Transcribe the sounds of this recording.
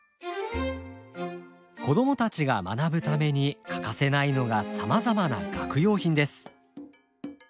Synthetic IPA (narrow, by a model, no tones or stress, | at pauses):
ko̞d̪o̞mo̞t̪at͡ɕiɡama̰nabɯ̟t̪ame̞ɲ̟ikḁkase̞naino̞ɡasamazamana̰ɡakɯ̟jo̞ːçĩnd̪e̞sɨ̥